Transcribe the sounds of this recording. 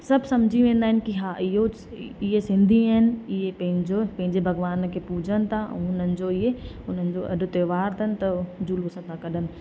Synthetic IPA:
sɐbsɐmd͡ʑʱiʋẽːn̆d̪aːɦɪnɪkiɦaɪɦo | iɦesɪ̃nd̪ʱiaɦɪnɪ̆ɪepɐ̃ɦɪ̃ɲd͡ʑopɐ̃ɦɪ̃ɲd͡ʒebʱɐɡʋaːnkʰepuːd͡ʒənt̪ʰã̰ʊn̤ənɪ̆d͡ʑoɪɦe | ʊn̤ən̆d͡ʑoʔɐ̰ɗt̪eːʋaːɾt̪ʰənɪ̆t̪ɐd͡ʒulʋʊsə̃t̪ʰakɐɗənɪ̆

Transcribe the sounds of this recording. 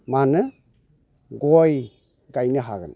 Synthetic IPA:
manɯ | ɡɔj | ɡajnɯɦaɡɯ̰n

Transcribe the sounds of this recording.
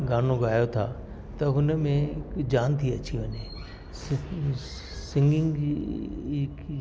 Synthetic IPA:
ɡaːn̤oɡaːjot̪ʰa̰ː | t̪ɐɦʊnə̆mẽd͡ʑaːnt̪ʰiɐt͡ɕiʋɐɲe | s | sɪ̃ŋɡɪ̃ŋɡi | k

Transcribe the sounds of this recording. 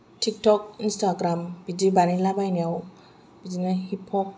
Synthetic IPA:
tʰik̚tɔk̚instaɡɾamb̥idibanilabajniaw | b̥id͡ʒinahipʰɔk̚

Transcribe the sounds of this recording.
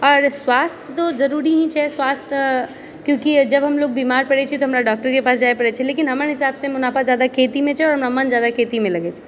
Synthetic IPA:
ɔːɾswast̪ʰt̪od͡ʒəɾuɾiɦĩt͡ʃʰɛswast̪ʰ | kjõkid͡ʒəbɦəmlok̚bimaɾpəɽɛt͡ʃʰiɛt̪ɔɦəmɾaɖɔk̚ʈəɾkepas̬d͡ʒaepəɽɛt͡ʃʰɛlekinɦəməɾɦɪsabsẽmʊnapazjad̪akʰet̪imẽt͡ʃʰɛɔːɾɦəmɾamənd͡ʒjad̪akʰet̪imeləɡɛt͡ʃʰɛ̥

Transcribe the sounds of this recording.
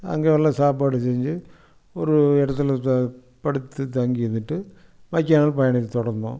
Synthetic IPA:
ɐ̰ŋɡeʋɐlːɐsaːbaːɽɨt͡ɕejɲd͡ʑɨ | oɾuɛɽɐt̪ːil | pɐɽit̪ːɨt̪ɐŋɡijunːiʈːɨmɐkʲːaːnɐlpɐjɐɳiːt̪uɽɐrnːo̰ː

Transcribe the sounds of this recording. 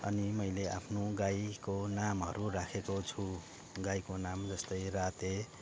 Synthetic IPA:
ʌ̰nimʌjlea̰pʰnoɡajkonamʌ̰ɾurakʰekot͡sʰu | ɡajkonamd͡zʌst̪ʌjrat̪e

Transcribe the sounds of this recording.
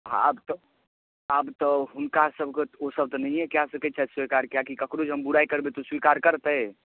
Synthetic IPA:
a̰bt̪ɔ | abt̪ɔɦunkasəbʱkeosəb̚t̪ɔnəĩɛkjasəkət͡ʃʰɛtswikaɾkjakikəkɾod͡ʒɦəmbuɾajkəɾbet̪oswikaɾkəɾt̪ə

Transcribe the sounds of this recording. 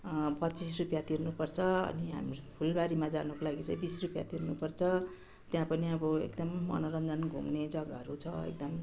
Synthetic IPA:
pʌtt͡sisrupjat̪irnupʌrt͡sʰʌʌ̰niɦa̰mpʰulbaɾimad͡zanukolaɡit͡sʌ̃ĩbisrupja̰t̪irnupʌrt͡sʰʌ | t̪jãpʌniʌbʌḛkd̪ʌmːʌ̰noɾʌnd̪ʱʌnɡʱṵmned͡zʌɡaʌɾut͡sʰʌḛk̚d̪ʌm

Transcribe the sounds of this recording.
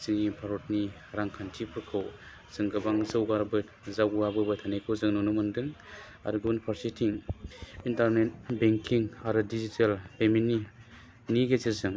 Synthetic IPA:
zɯŋipʰaɾɔtni | ɾaŋkʰantʰipʰɯɾkʰɯw | z̥ɯŋɡɯbaŋzɯwɡaɾbɯ | zawabɯbɯtʰanejkʰɯwzɯŋnɔnumɯndɯŋ | a̰ɾɯɡunpʰaɾsitʰiŋintaɾnet̚beŋkʰiŋaɾɯdizitʰalpemini | niɡeziɾzɯŋ

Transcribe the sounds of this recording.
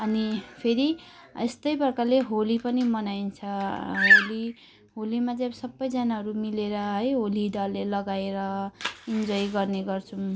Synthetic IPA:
ʌnipʰeɾiest̪ʌjbʌrkaleɦolipʌnimʌnajnt͡sʰʌɦoli | ɦolimad͡zabsʌbːʌjd͡zanaɦʌɾumileɾʌɦʌjɦolid̪ʌlːelʌɡaeɾʌind͡zʌjɡʌrneɡʌrt͡sʰu

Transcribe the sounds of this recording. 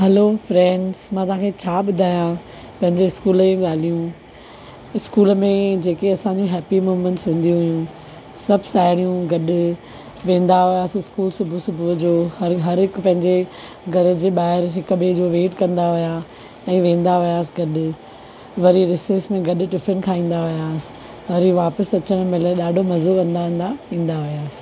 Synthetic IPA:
ɦɛloːfɾɛ̃ːɳɖzmãt̪ɐɦãːkʰet͡ɕʰaːɓʊd̪ʱaːjã | pɐ̃ɦɪ̃ɲd͡ʑeɪskuːləjũɠaːl̤ijũ | ɪskuːləmẽd͡ʑeːkeɐsãːɲd͡ʑũɦɛːpimuːmə̃ɳʈsʊ̃ːn̆d̪ijũɦʊjũ | sɐbʱsaːɦɪɽ̃ijũɡɐɗʊ̆ | ʋẽːn̆d̪aɦʊjaːsɪskuːlsʊbʱusʊbʱud͡ʑoːhɐɾɦɐɾɪkpɐ̃ɦɪ̃ɲd͡ʑe | ɡʱɐɾed͡ʑeɓaːɦɪɾɦɪkʊbed͡ʑoːʋeːʈkɐ̃nd̪aɦʊja | ɛ̃ːʋẽːn̆d̪aʋijaːsɪɡɐɗ | ʋɐɾiɾɪseːsmẽɡɐɗʊ̆ʈɪfənkʰãːĩːn̆d̪aɦʊjaːsɪ̥ | ɐɾiʋaːpəsɐt͡ɕəɽ̃mɪləɗaːɖʱomɐzokɐ̃nd̪aɦnd̪aĩːn̆d̪aɦijaːsɪ̥̆

